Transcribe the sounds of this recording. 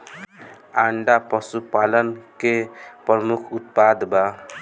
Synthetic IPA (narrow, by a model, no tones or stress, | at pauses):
aɳɖapəsupalənkepɾəmukʰut̪̚pad̪ba